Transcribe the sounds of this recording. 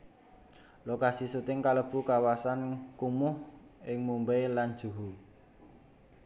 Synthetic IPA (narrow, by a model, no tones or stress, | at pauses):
lokasisut̪ɪŋkaləb̥ṳkawasankumʊhɪŋmumbejland̥ʒ̥ṳɦu